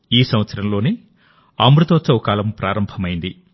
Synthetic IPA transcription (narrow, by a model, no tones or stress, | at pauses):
iːsɐmʋɐt̪sɐɾɐmlo̞ːni | aːmbɾut̪oːt͡ʃɐʋɔkaːlɐmpɾʔaːɾɐmbʱɐmɐjind̪i